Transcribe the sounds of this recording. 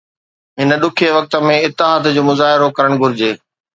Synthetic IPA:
ɦɪnə̆ɗʊkʰeʋɐk̚t̪ə̆mẽɪt̪ːɪɦaːt̪d͡ʑoːmʊzaːɦɪɾokɐɾəɽ̃ɡʱʊɾɪd͡ʑeː

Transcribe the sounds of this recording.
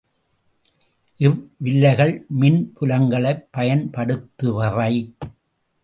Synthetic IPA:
ʔɪʋʋɪlːɐɪɣɐɭmɪnpʊlɐŋɡɐɭɐɪpːɐjɐnpɐɽɯt̪ːɯʋɐrɐɪ

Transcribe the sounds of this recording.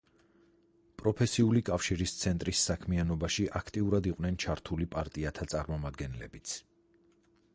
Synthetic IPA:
pʼɾɔpʰɛsiulikʼafʃiɾist̪sʰɛnt̪ʼɾisːakʰmianɔbaʃiʔakʰt̪ʼiuɾad̪iqʼwnɛnt͡ʃʰaɾt̪ʰulipʼaɾt̪ʼiat̪ʰat̪sʼaɾmɔmad̪ɡɛnlɛbit̪sʰ

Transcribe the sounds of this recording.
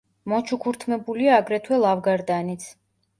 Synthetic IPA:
mɔt͡ʃʰukʰuɾt̪ʰmɛbuliaːɡɾɛt̪ʰwɛlˠavɡaɾd̪anit̪sʰ

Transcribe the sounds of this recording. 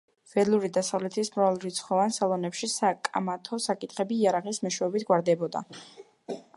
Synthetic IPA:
v̥ɛlˠuɾid̪asavlɛt̪ʰismɾalˠɾit̪sʰχɔvansalˠɔnɛpʃisakʼa̰mat̪ʰɔsakʼit̪ʰχɛbiːaɾaʁismɔʃwɛɔbit̪ʰɡwaɾd̪ɛbɔd̪a̰

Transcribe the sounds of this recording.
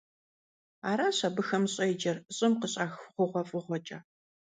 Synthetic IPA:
aːɾaːɕabɨxɐmɕʼɐjd͡ʒɐrɕʼɪmqəɕʼaːxʁʷʊʁʷɔfʼɨʁʷɔt͡ʃʼɐ

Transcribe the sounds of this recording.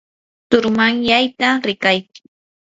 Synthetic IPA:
t̪ʊɾmaŋjajt̪aɾɪkajkɪ

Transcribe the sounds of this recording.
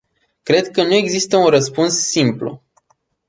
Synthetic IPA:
kɾe̞d̪kənue̞ɡzist̪əunrəspunsːimplṵ

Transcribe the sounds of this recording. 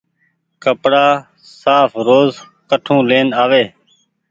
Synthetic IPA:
kəpɽaː | saːfɾoːz | kəʈʰũːleːnaːʋeː

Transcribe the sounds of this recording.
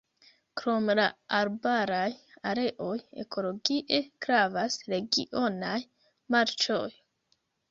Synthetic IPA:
kɾo̞mla̰aɾbaɾaj | aɾe̞ʔo̞je̞̰kʰo̞lo̞ɡiʔe̞kɾavasɾe̞ɡḭʔo̞naj | maɾt͡ʃoj

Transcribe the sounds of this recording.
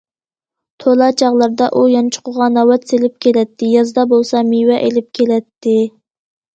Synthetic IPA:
t̪ʰolˠɑt͡ʃʰɑʁlˠɑɾd̪ɑʔujɑnt͡ʃʰʊ̥qʰʊʁɑnɑwɛt̪selɪp̚kʲʰelɛt̪ʰːɪjɑzd̪ɑbolˠsɑmiwɛʔelɪp̚kʲʰelɛt̪ʰːɪ

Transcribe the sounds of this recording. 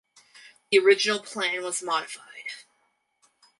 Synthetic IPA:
ðiə˞ɪd͡ʒɨnl̩ˠpʰl̥æ̃nwʌzmɑɾɨfaɪd̥

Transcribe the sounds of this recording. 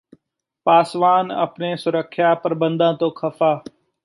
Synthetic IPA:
paːsʋaːnə̰pneːsʊɾəkʰjaːpəɾbə̃nd̪ãːt̪oːkʰəfaː

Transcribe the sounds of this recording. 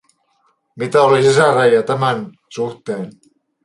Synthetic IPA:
mit̪æolisisæræjɑt̪æmæn | suht̪eːn

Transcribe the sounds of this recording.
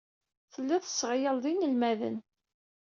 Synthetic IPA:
θəlːæθə̥sːʁjəlðˤinəlmæðə̰n

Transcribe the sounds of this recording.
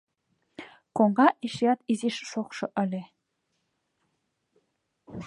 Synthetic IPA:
koɴʁɑʔiʃjɑt̪iziʃʃoχʃɤ̆ʔə̆lʲe

